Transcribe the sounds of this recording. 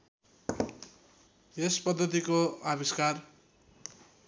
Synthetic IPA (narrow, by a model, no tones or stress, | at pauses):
espʌd̪ʱːʌt̪̬ikoabiskar